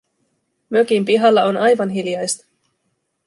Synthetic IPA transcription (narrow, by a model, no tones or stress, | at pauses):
møkimpiɦɑlːɑo̞nɑjʋɑnɦiljɑjst̪ɑ̥